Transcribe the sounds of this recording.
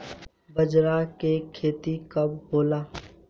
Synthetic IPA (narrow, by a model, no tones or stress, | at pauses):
bəd͡ʒɾakekʰeːt̪ikɐbboːlaː